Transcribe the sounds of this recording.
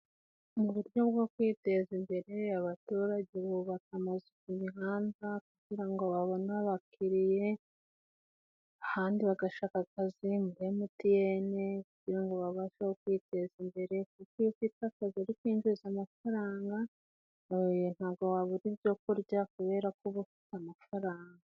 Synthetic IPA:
muβuɾjo̞bɡo̞kwiːte̞zimbe̞ɾe̞aβatuːɾaɟeβoβakamazekumiɦaːnzakuɟ̥iɾaŋɡoβaβo̞naβakʰiɾije̞ | ahaːndiβaɡaʃakakazimuɾemutijenekuɟ̥iɾaŋɡoβaβaʃahokwiːte̞zimbe̞ɾe̞kukijokitakaziaɾikwiːɲd͡ʒuzamafaɾaːŋɡa | n̥haːβɡowaβuɾiβɟo̞kuɾɟakuβe̞ːɾakuβufi̥tamafaɾaːŋɡa

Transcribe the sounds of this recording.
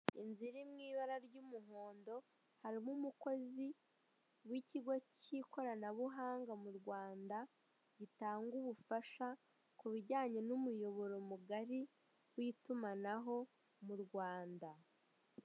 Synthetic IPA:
inziɾimŋiːβaɾaɾɟumuɦo̞ːndo̞ | haɾimumuko̞zi | wiciɡociko̞ɾanaβuɦaːŋɡamuɾɡwaːnda | ɟitaːŋɡuβufaʃa | kuβiɟaːɲe̞numujo̞βo̞ɾo̞muɡaɾi | wiːtumanaɦo̞ | muɾɡwaːnda

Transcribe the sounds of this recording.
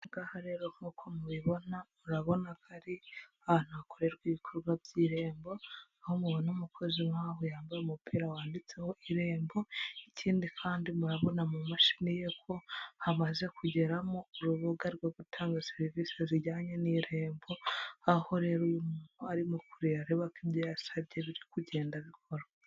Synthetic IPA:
ɡahaɾe̞ɾo̞ŋ̥uːkʰo̞muβiβo̞namuɾaβo̞nakaɾiahaːn̥huβakoɾe̞ɾɡwiːβikʰoɾɡwabɟiːɾe̞ːmbo̞ahomuβonomukʰo̞zimaːɦojaːmbaɾeumupʰiːɾawaːndit͡se̞ho̞ʔiɾe̞ːmbo̞iciːndikʰaːndimuɾaβo̞namumaʃi̥mije̞kʰo̞hamaze̞kuɟe̞ɾamoːɾuβoɡaɾɡwoɡutʰaːŋɡaseɾiviːseziɟaːɲeniːɾe̞ːmbo̞aho̞ɾe̞ɾujumun̥uaɾimukuɾiaɾeβakibjo̞jasaβje̞βiɾikuɟe̞ːndaβikʰo̞ɾo

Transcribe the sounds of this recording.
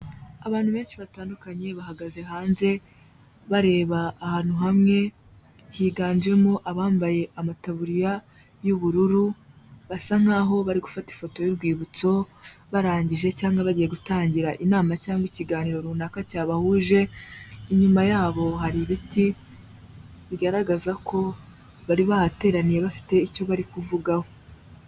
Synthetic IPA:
aβaːn̥huβe̞ːnʃiβataːndukaɲe̞βahaɡaze̞ɦaːnze̞ | βaɾe̞ːβaːhaːn̥uɦamŋe̞hiːɡaːnd͡ʒe̞moʔaβaːmbaje̞ʔamataβuɾija | juβuɾuɾuβasaŋ̥aːɦo̞βaɾiɡufati̥fo̞to̞jiɾɡwiːβut͡so̞βaɾaːɲɟiʒe̞caːŋɡaβaɟije̞ɡutaːɲɟiɾaʔinaːmacaːŋɡwiciɡaːniɾo̞ɾunakacaːβahuʒe̞iɲumajaːβo̞ɦaɾiβiti | βiɡaɾaɡazakʰo̞ | βaɾiβahate̞ːɾanije̞βafi̥te̞ico̞βaɾikuvuɡaho

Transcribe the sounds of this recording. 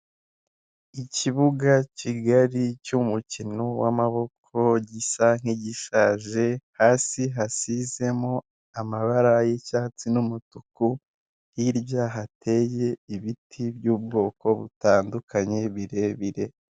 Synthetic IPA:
iciβuɡaciɡaɾicumucino̞wamaβo̞kʰo̞ɟisaŋ̥iɟiʃaʒe̞haːsiɦasize̞mo̞ | amaβaɾajecaːt͡sinumutuku | hiɾjaːɦatʰe̞ːje̞iβitʰibjuːb̚ɡo̞ːko̞βutaːndukʰaɲe̞βiɾe̞βiɾe̞

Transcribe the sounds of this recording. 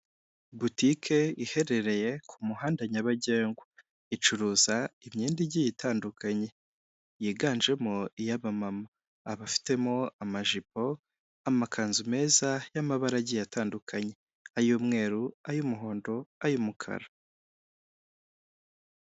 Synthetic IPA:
butikʰe̞ihe̞ɾe̞ɾe̞je̞kʰumuhaːndaɲaβaɟe̞ːŋɡwa | it͡ʃuɾuːzaimɲiːndiɟijitʰaːndukʰaɲe̞ | jiɡaːnd͡ʒe̞moijaβamamaː | βafi̥te̞moamaʒipo̞ | amakʰaːnzume̞ːzajamaβaɾaɟijatʰaːndukʰaɲe̞ | ajuːmŋe̞ːɾuajumuɦo̞ːndo̞ajumukʰa̰ɾa

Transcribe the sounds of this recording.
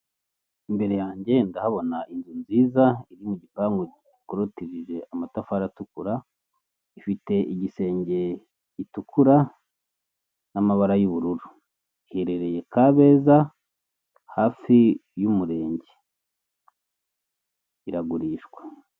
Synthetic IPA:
imbe̞ɾe̞jaːɲɟe̞ndahaβo̞naʔinzunziːzaiɾimuɟipaːŋɡuɟiikoɾotiʒiʒe̞ʔamatafaɾatukuɾa | ifite̞ʔiɟise̞ːɲɟe̞ | itukʰuɾa | namaβaɾajuβuɾuɾu | iheɾe̞ɾe̞je̞kaβe̞ːza | haːfijumuɾe̞ːɲɟe | iɾaɡuɾiːʃɡwe

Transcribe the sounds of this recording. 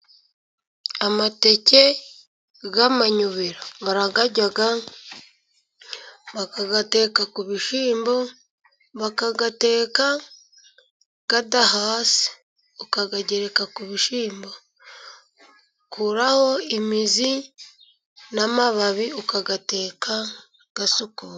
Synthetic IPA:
amate̞ce̞ | ɡamaɲuβiɾoβaɾaɡaɟaɡa | βakaɡate̞ːkakuβiʃiːmbo̞ | βakaɡate̞ːka | ɡ̥adahaːsi̥ | ukaɡaɟeɾe̞kakuβiʃiːmbo | kʰuɾaho̞imizi | namaβaβiukaɡate̞ːka | ɡ̥asuku

